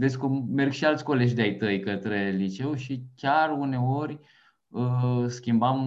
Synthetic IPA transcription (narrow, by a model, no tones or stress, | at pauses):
veskume̞rɡʃialt̪ʲko̞le̞ʒʲd̪eajt̪əjkət̪ɾe̞lit͡ʃe̞wʃikʲarune̞o̞rʲ | əskʲimbam